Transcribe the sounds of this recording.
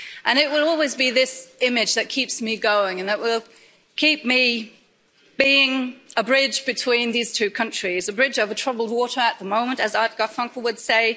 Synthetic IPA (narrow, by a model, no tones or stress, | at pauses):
ʔɨ̃ñɪʔ̚wɪlˠɔlˠwizbiðɪsɪmɪd͡ʒðɨt̚kʰipsmiɡoʊɪ̃ŋɨ̃nðəʔwɪlˠ | kʰip̚mi | b̥iɪ̃ŋəbɹɪd͡ʒbɨtʰw̥ĩnðiz̥tʰʉkʰʌ̃nt͡ʃɹ̥izəbɹɪd͡ʒʌvətʰɹ̥ʌbl̩ˠd̚wɔɾə˞ət̪̚ðəmõʊ̃mə̃ntɨzaɪɡ̥ɑfʌ̃ŋkl̩ˠwəd̥seɪ